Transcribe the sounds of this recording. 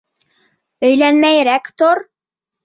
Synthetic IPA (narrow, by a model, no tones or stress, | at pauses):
ɵ̆jlænmæjɾækt̪oɾ